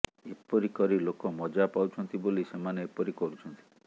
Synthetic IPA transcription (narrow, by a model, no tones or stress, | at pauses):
epɔɾikɔɾilokɔmɔd͡ʒapawt͡ʃʰɔnt̪ibolisemaneːpɔɾikɔɾut͡ʃʰɔnt̪ʰi̥